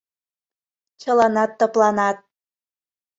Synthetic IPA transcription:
t͡ɕə̆lɑnɑt̪ːŏplɑnɑt̪̚

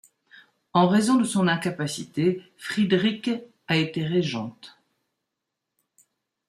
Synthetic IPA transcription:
ɑ̃ʁezɔ̃d̪əsɔ̃nɛ̃kapasit̪efχid̪ʁik | aet̪eʁeʒɑ̃t̪

